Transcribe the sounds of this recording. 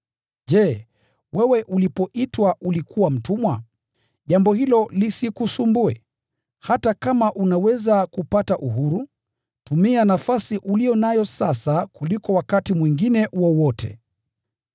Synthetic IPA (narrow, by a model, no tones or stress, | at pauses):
ʄɛː | wɛwɛʔulipɔʔitwaʔulikʰuwam̩tumwa | ʄambɔhilɔlisikusumbuɛ̰ | hatakamaʔunawɛzakupataʔuɦuɾu | tumianafasiʔulijɔnajɔsasakulikɔwakatimwiŋɡinɛwɔwɔtʰɛ̰